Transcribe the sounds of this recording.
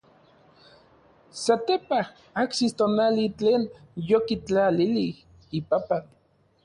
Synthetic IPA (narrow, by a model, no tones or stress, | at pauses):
sat̪epah | aksist̪oːnalit͡ɬeːn | jokit͡ɬalilih | ipapan